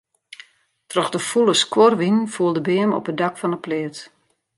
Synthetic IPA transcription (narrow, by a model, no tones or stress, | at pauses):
trɔxdəfulˠəskworʋinfuəlˠdəbɪːəmɔ̰pədɑkfɔnəplɪət